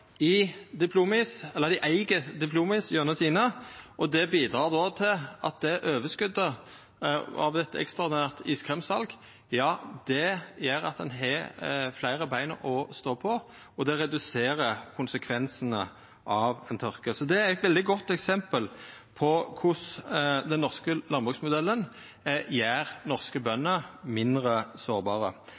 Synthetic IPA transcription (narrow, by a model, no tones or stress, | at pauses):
ɪd̪ɪpʰluːmɪsɛlːəʁd̪ɪʔæɪɡəd̪ɪpʰluːmɪsjøːnət̪ʰiːnəʔɔd̪ɛbiːd̪ɾɑːʁd̪ɔt̪ʰɪlʔɑ̰t̪̚d̪ɛæʔøːʋəskʉd̪ːə | ɑ̰ʋd̪ɛt̪ːəɛ̰kst̪ʁɑd̪ɪnæːʁt̪əiːskʰɾʁɛmsɑlɡ | jɑːd̪̥ɛjæɾɑ̰t̪̚d̪ɛnɦɛflæɪɾəbæɪnə̰ʔɔst̪oːpʰɔ | ɔd̪ɛʁɛd̪ʉseːɾəkʰʊnsəkʰʋɛnsənə | ʔɑʋɛnt̪ʰœʁkəsɔd̪ɛææt̪ʋɛld̪ɪɡɔt̪ːɛksɛmpəlpʰɔkʰʊsd̪ɛnːɔʁskəlɑnbʁʉːɡsmʊd̪ɛlːən | jæːɾnɔʁskəbœnːəmɪnd̪ʁəsoːʁbɑːɾə̰